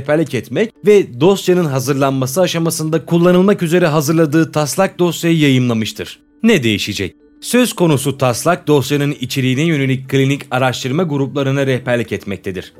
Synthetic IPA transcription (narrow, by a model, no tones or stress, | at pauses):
ɛpæɾlʲicɛt̪mɛcvɛd̪o̞st̪janɯnɦazɯɾlˠanmasɯaʃamasɯnd̪akʰulˠːanɯlˠmakyze̞ɾɛɦazɯɾlˠad̪ɯːt̪ʰaslˠak̚d̪o̞st̪jajijajɯmlˠamɯʃt̪ʰɯɾ̥ | nɛd̪e̞jiʃid͡ʒɛc̚ | sø̞z̥kʰo̞nusut̪ʰaslˠak̚d̪o̞sjanɯnit͡ʃʰeɾiːnɛjø̞ne̞lʲic̚ʲkʰːlʲinicaɾaʃt̪ʰɯɾmaɡuɾuplˠaɾɯnɯɾɛhpæɾlʲicɛt̪mɛc̚t̪ʰed̪iɾ̥